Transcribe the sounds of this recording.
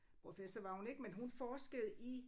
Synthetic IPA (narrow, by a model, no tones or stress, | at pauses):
ppʰʁo̝fesɒʋɑ̈hune̝ɡ̥menɦunfɒːsɡ̥əð̞̩ˠi